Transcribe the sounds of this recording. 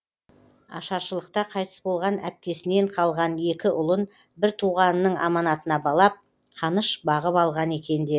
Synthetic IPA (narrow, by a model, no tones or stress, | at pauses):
ɑ̰ʃɑɾʃəlˠəqt̪ɑqʰɑjt̪əsbo̞lˠʁɑnæp̚kʲe̞sɪne̞ɴqʰɑlˠʁɑnje̞kʲɪʔʊlˠən | bɪɾt̪ʰuʁɑnːəɴɑ̰mɑnɑt̪ənɑbɑlˠɑp̚ | qʰɑnəʃbɑʁəpɑlˠʁɑne̞kʲe̞nd̪e̞